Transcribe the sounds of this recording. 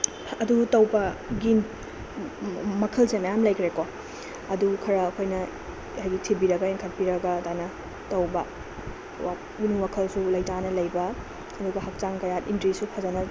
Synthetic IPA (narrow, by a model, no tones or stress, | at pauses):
ɐdutɐwbɐɡin | mɐkʰɐlsemɐjamlɐjkʰɾeko | ɐdukʰɐɾɐːkʰojnɐ | hajɡitʰibiɾɐɡɐenkʰɐɾ̚piɾɐɡɐtajnɐ | tɐwbɐ | wa | ɡinuwakʰɐlsulɐjtanɐlɐjbɐː | duɡɐɦɐk̚t͡ʃaŋkɐjatintɾisupʰɐzɐnɐ